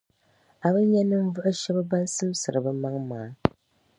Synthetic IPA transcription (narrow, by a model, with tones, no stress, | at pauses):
a˨bɨ˦ɲɛ˦nɨ˦m̩˦vɨ˦ʔɨ˦ʃɛ˦bɨ˦ba˦n˦sɨ˦msɨ˨ɾɨ˨bɨ˦ma˦ŋmaː˨˦